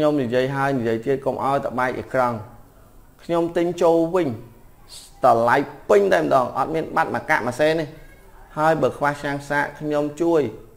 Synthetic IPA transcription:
kʰɲomnijiəjɦaəjnijiəjt̪iət̪̚komʔa̰ɔjt̪əɓaɛk̚ʔə̰krɑŋ | kʰɲomt̪ɨɲt͡ɕoːlʋɨɲ | t̪ɑlajpɨɲt̪aɛmə̆ɗɑːŋʔɑt̪̚miənɓat̪̚maka̰ʔmaseːni | haəjɓəːkʰʋaht͡ɕʰɲaːŋsaːʔkʰɲomt͡ɕuəj

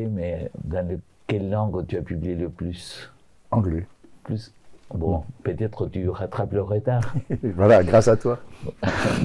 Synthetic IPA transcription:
mɛd̪ɑ̃lə | kɛlːɑ̃ɡt̪yapyblijeləplys | ɑ̃ɡlɛplysbɔ̃pøt̪ɛt̪χət̪yʁat̪χapləʁət̪aːʁvwalaɡʁasat̪wa

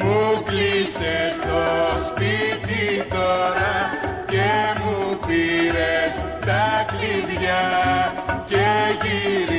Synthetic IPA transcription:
muklisest̪ospit̪it̪oɾakemukiɾes | t̪aklid̪ja | keɡiɾ

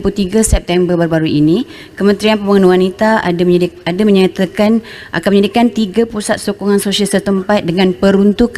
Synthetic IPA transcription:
put̪iɡasɛp̚t̪ɛmbərbəɾbaɾuʔini | kəmə̃nt̪ɾianpəməŋənuwanit̪a | adaməɲat̪akan | ʔa̰kanməɲadikant̪iɡapusat̪̚sokuŋansosialsət̪əmpat̪̚dəŋãnpəɾunt̪uk

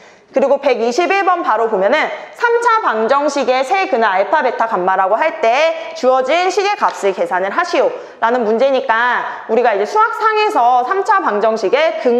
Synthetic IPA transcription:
kɯɾiɡope̞ɡiɕʰibiɭbʌnpaɾopomjʌnɯnsʰamt͡ɕʰapaŋd͡ʑʌŋɕʰiɡe̞sʰe̞kɯnɯaɭpʰabe̞tʰakamːaɾaɡoɦaɭt͈e̞t͡ɕuʌd͡ʑinɕʰiɡe̞kap̚s͈ɯke̞sʰanɯɭɦaɕʰijo | ɾanɯnmund͡ʑe̞ɲik͈auɾiɡaid͡ʑe̞sʰuak̚s͈ʰaŋe̞sʰʌsʰamt͡ɕʰapaŋd͡ʑʌŋɕʰiɡe̞kɯŋ

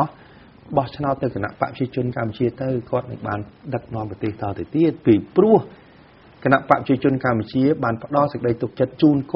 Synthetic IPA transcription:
ɓɑht͡ɕʰnaɔʊt̪ːɨwkana̰ʔpa̰ʔpə̥t͡ɕiət͡ɕʊ̆ənkamput͡ɕiət̪ɨwkŏət̪̚nɨ̰ŋɓaːnɗək̚nŏəmprɑt̪eːht̪ɑːt̪əwt̪iət̪̚piːprʊ̆əh | kanaʔpa̰ʔpʰət͡ɕiət͡ɕʊ̆ənkamput͡ɕiəɓaːnpə̆ɗɑlsək̚əɗəjt̪uk̚t͡ɕət̪̚t͡ɕuːnk

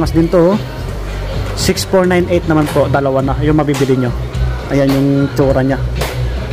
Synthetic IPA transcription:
ŋɐsd̪ɪnt̪o | sɪksfoɹnajnʔejt̪̚nɐmanpoʔd̪ɐlɐwanɐjʊŋmɐbibɪlɪɲo | ʔɐjanjʊŋt͡ʃuːɾɐɲa

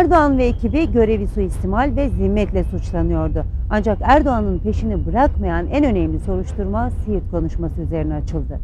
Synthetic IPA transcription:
æɾd̪o̞anvɛːcʰibiɟø̞ɾe̞visuist̪imalʲvɛzimːɛt̪lʲɛsut͡ʃlˠanɯjo̞ɾd̪ʊand͡ʒakæɾd̪o̞anɯnpe̞ʃinibɯɾakmajanænø̞nɛmlʲiso̞ɾuʃt̪ʰuɾmasijit̪kʰo̞nuʃmasɯyze̞ɾinɛat͡ʃʰɯlˠd̪ɯ

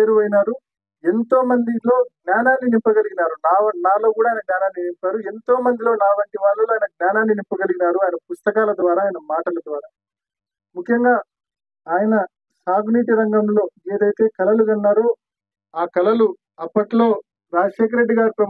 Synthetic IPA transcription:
ɾuʋɐjnaːɾu | ent̪o̞ːmɐnd̪ilo̞ːɡnjaːnaːnːinimpːɐɡɐliɡinaːɾunaːʋɐnaːlo̞ːk̬uːɽaːjinɐɡnʲaːnaːnːinimpaːɾue̞nt̪o̞ːmɐnd̪ilo̞ːnaːʋɐɳʈiʋaːlːɐloːaːjnɐɡnʲaːnaːnːinimpːɐɡɐliɡinaːɾuaːjɐnɐpust̪ɐkaːlɐd̪ʋaːɾaːjnɐmaːʈɐlɐd̪ʋaːɾaː | mukʰːjɐŋɡaː | aːjɐnɐ | saːɡuniːʈiɾɐŋɡɐmlo̞ːe̞ːd̪ɐjt̪e̞ːkɐlɐluɡɐnːaːɾoː | aːkɐlɐlu | ɐpːɐʈlo̞ː | ɾaːd͡ʒɐʃeːk̬ɐɾe̞ɖːiɡaːɾipɾɐ

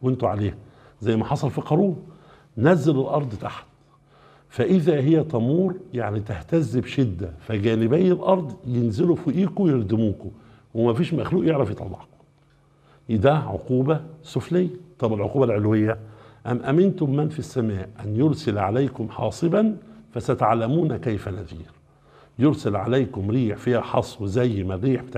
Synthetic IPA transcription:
went̪uʕaleːh | zæjːmæħɑsˤɑlfɑqɑɾˤuː | næzːælelʔɑɾˤd̪ˤt̪a̰ħt̪ | fæʔɪðæɦɪjːæt̪ˤɑmuːɾjaʕnit̪æht̪æzːɪbʃed̪ːæfæɡæːnɪbæjːelʔɑɾˤd̪ˤjenzɪlufuʔiːkujeɾd̪ɪmuːk | wemæfiːʃmæxluːʔjeʕɾæfjit̪ˤɑ̰lːɑ̰ʕqo̥ | d̪æʕo̰quːbæsʊflɪjːæt̪ˤɑbɪlʕo̰quːbælʕelwejːæʔæmːʔæmɪnt̪ʊmːænfisːæmæːʔʔænjoɾsɪlʕalæjkʊmħɑ̰ːsˤɨbænfæsæt̪ʕalæmuːnkæjfænæ̰ðḭːɾ | joɾsælʕa̰læjkʊmɾiːħfiːhæħɑsˤwzæjːmærːiːħbet̪aːʕ

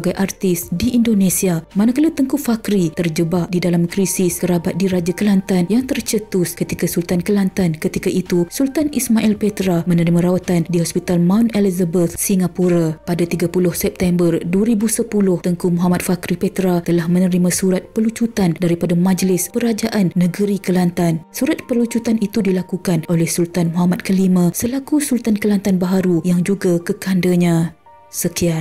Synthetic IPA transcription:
ɡajʔart̪ɪsdiʔːndonesiamanakalat̪əŋkufakɾit̪ərd͡ʒəbap̚didalamkɾisɪskəɾabat̪̚diɾad͡ʒakəlant̪anjaŋt̪ərt͡ʃət̪ʊskət̪ikasult̪ankəlant̪ankət̪ikaʔit̪usult̪anismaʔɛlpet̪ɾamənəɾimãɾawat̪andiɦɔspit̪almawnɛlizəbət̪siŋapuɾapadat̪iɡapulʊhsɛp̚t̪ɛmbərduaɾibusəpulʊht̪əŋkumɔɦamat̪̚fakɾipet̪ɾat̪əlahmə̃nə̃ɾimãsuɾat̪̚pəlut͡ʃut̪andaɾipadamãd͡ʒlɪspəɾad͡ʒaʔanːə̃ɡəɾikəlant̪ansuɾat̪̚pəlut͡ʃut̪anit̪udilakukanʔolɛhsult̪anmɔɦamat̪̚kəlimãsəlakusult̪ankəlant̪anbaɦaɾujaŋd͡ʒuɡakəkandaɲã | səkian

